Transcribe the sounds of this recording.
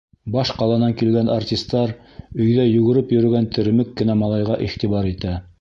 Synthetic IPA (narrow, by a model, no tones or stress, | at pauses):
bɑʃqɑlˠɑnɑŋkilɡænartʲist̪ːɑɾ | ɵ̆jðæjɵ̆ɡɘ̆ɾɘpjɵ̆ɾɘ̆ɡænt̪ɘ̆ɾ̆mɘkːɘ̆næmɑlˠɑjʁɑʔiχt̪iβɑɾit̪æ